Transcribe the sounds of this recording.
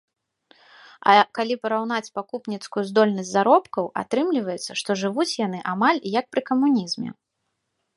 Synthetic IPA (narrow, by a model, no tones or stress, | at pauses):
ɐ̰kalʲipɐɾawn̪at͡sʲpakupnʲit̪skujuzd̪ɔlʲnɐsʲtʲzaɾɔpkɐwʔa̰t̪ɾɨmlʲivɐjɛt̪sːɐʂt̪ɔʐɨvut͡sʲjan̪ɨʔamalʲjɐk̚pɾɨkɐmunʲizmʲɛ̰